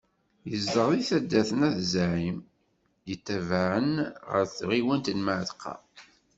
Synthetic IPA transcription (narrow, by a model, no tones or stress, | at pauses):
jəzd̪əɾˤðˤiθæd̪ːæθənæðzʕim | jət̪ːævaʕənʁə̰ɾθʁiwənt̪ənmaʕðqɑ̰